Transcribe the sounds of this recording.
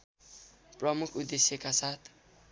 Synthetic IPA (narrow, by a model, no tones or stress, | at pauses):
prʌmukʰud̪esjʌkasat̪ʰ